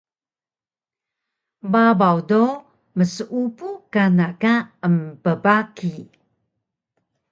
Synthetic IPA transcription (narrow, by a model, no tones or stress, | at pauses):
babawdo | məsəʔupukanakaəmpəbaki